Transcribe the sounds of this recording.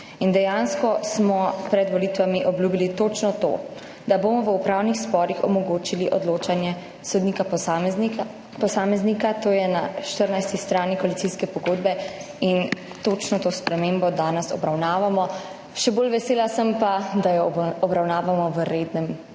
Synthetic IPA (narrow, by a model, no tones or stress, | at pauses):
ind̪ɛjanskɔsmɔpɾɛd̪ʋɔlit̪ʋamiʔɔbljuːbilit̪ot͡ʃnɔt̪o̰ː | d̪abomɔʋəupɾaːwnixspɔɾixɔ̰mɔɡoːt͡ʃiliʔɔd̪loːt͡ʃanjɛ | sɔd̪niːka | pɔsaːmɛznikat̪oːjɛnaʃt̪əɾnajst̪ist̪ɾaːnikɔalit̪siskɛpɔɡoːd̪bɛ | in | t̪ot͡ʃnɔt̪oːspɾɛmeːmbɔd̪aːnɛsɔ̰bɾawnaːʋamɔ | ʃɛboːlʋɛseːlasəmpad̪ajɔɔbɾawnaːʋamɔʋəɾed̪nɛm